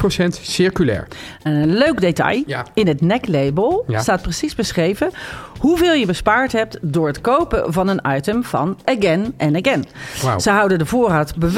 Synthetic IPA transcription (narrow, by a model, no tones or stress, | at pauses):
posɛntsɪɹkylɛ̰ːɹəløɥkdetɑ̰jɪnətnɛklejbəlˠstaːt̚prəsizbəsχrejvəhuvɪːlˠjəbəspaːɹtɦɛp̚tdʊːɹətkowpəvɑnənɑjtəmv̥ɑ̰nəɡɛnʔɛnəɡɛnz̥əɦʌwdəndəvʊːraːtbəʋ